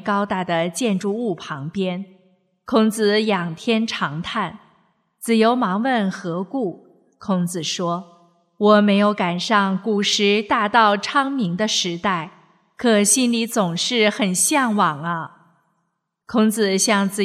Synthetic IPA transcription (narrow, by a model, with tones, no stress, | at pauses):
kɑ˥ʊt̪a˥˩d̪ə˩t͡ɕjɛ˥˧nʈ͡ʂu˥˧u˥˩pʰɑ˧˥ŋpjɛ˥n | kʰʊ˥ŋt͡sɹ̩˧˩jɑ˨˩ŋt̪ʰjɛ˥nʈ͡ʂʰɑ˧˥ŋt̪ʰa˥˩n | t͡sɹ̩˨˩jo˧˥ʊmɑ˧˥ŋwə˥˩nxɤ˧˥ku˥˩ | kʰʊ˥ŋt͡sɹ̩˨˩ʂwɔ˥ | wɔ˨˩me˧˥ɪjo˧˥ʊka˨˩nʂɑ˥˩ŋku˨˩ʂɻ̩˧˥t̪a˥˧t̪ɑ˥˩ʊʈ͡ʂʰɑ˥ŋmi˧˥ŋd̪ə˧ʂɻ̩˧˥t̪a˥˩ɪ | kʰɤ˨˩ɕi˥nli˧˥t͡sʊ˨˩ŋʂɻ̩˥˩xə˨˩nɕjɑ˥˩ŋwɑ˨˩ŋɐ˦ | kʰʊ˥ŋt͡sɹ̩˧˩ɕjɑ˥˧ŋt͡sɹ̩˨˩